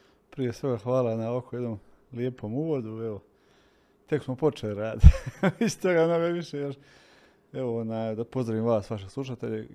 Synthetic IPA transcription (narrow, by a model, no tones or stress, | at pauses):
pɾije̞sʋe̞ɡaxʋaːlanaakʰojed̪nom | lije̞pʰo̞muʋo̞d̪ueʋo | t̪e̞ksmopo̞t͡ʃelid̪ɾaːd̪iist̪o̞ɡamno̞ɡaʋiʃejeɾ | eʋooːnaːjd̪apo̞zɾaʋimʋaːsʋaʃeslˠuʃ̬at̪eʎḛ